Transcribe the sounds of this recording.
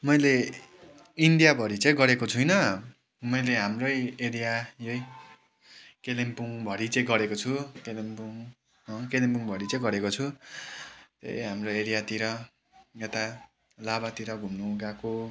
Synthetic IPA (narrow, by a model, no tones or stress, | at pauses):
mʌjle | iɳɖijabʱʌɾit͡sʌ̃ĩɡʌɾekot͡sʰujnʌ | mʌjleɦamrʌjeɾijajʌj | kelempuŋbʱʌɾit͡sʌĩɡʌɾekot͡sʰukelempuŋ | ʌ̃kelempuŋbʱʌɾit͡sʌ̃ĩɡʌɾekot͡sʰu | t̪ḛjɦamroeɾijat̪iɾʌ | et̪a | labat̪iɾʌɡʱumnuɡako